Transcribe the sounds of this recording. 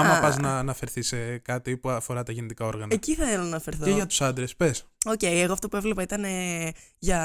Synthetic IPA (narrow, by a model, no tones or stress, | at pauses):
ɐmɐpɐznɐːnɐfe̞ɾθisekɐt̪ipuɐfo̞ɾɐt̪ɐʝenet̪ikɐo̞ɾɣɐnɐeciθɐθelonɐnɐfe̞ɾθoeʝɐt̪u̥sɐnd̪ɾespe̞so̞ce̞jeɣoɐft̪opuevle̞pɐit̪ɐne̞ʝɐ